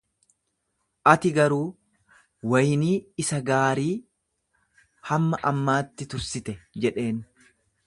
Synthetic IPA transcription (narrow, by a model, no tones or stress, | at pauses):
ʔɐt̪ɪɡɐɾuː | wɐjniːɪsɐɡaːɾiː | hɐmːɐʔɐmːaːt̪ːɪt̪ʊɾsɪt̪ɛd͡ʒɛᶑe̞ːn